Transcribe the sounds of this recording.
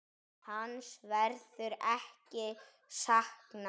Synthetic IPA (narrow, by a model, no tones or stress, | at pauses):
hansvɛɾðʏɾɛhcɪ | sahkna